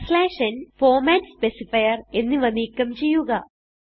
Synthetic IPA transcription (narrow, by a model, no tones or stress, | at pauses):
slaːʂɐnfoːmaːnspesifɐjɐre̞nːɨʋɐnːiːkːɐmt͡ɕe̞jːuɣɐ